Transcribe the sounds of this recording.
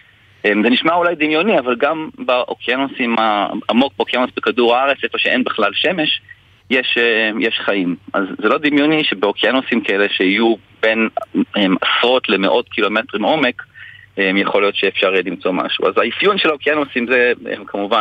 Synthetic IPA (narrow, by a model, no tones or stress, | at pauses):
ʔemzeniʃmaulajd̪imjo̞niavalɡambaʔokianosimaamo̞k̚baokianosbekaduʁaaʁet͡sekloʃeʔenbeχlalʃe̞me̞ʃ | jeʃejeʃχaimʔa̰zːelo̞d̪imjo̞niʃebeokianosimkʰaeleʃehiju | be̞nemasʁo̞tle̞meʔo̞tkʰilo̞me̞tʁimo̞me̞kʔemjeχo̞ljo̞t̪ʃeːfʃaʁlimt͡so̞ma̰ʃṵa̰zaifjunʃelaokianosimzeḛmkʰamuva